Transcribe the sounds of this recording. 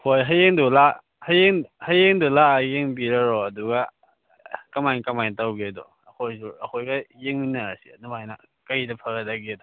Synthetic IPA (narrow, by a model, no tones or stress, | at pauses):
hojɦɐjeŋdula | hɐjeŋhɐjeŋdulajeŋbiɾɐɾɔɐduɡa | kɐmajnkɐmajntawɡedɔ̰ | ɐkʰojsuɐkʰojɡajeŋinaɾasinumajnɐ̰ | kajdɐpʰɐɡɐdaɡedɔ